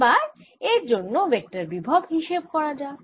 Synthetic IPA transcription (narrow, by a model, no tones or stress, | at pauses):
baɾ | eɾd͡ʑonːobek̚ʈaɾbibʱabɦiʃeb̚kɔɾad͡ʑa